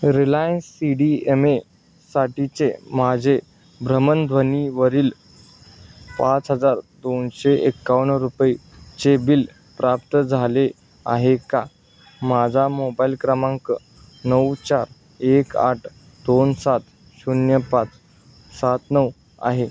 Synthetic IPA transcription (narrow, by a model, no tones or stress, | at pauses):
ɾilajənsːiɖieme | saʈit͡semad͡ʑʱe | bɾəmənd̪ʱʋəniʋəɾiːl | pat͡sɦəd͡zaɾd̪onɕeʔekːaʋəɳɾupi | t͡ɕebil | pɾap̚t̪əd͡zʱale | a̰ɦeka | mad͡zʱamobailkɾəmaŋkə | nəwt͡ɕaɾ | eka̰ʈʰ | d̪onsat̪ | ɕunjəpat͡s | sat̪nəw | a̰ɦe